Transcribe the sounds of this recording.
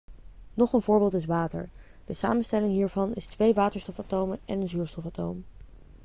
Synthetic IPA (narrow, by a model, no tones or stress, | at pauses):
nɔχənvʊːɹbɪːlˠtɪsʋaːtə̰ɹ | d̥əsa̰ːmənstɛlɪŋɦiːɹvɑnɪstʋejʋaːtəɹstɔfatowməɛnənzyːɹstɔfaːto̰wm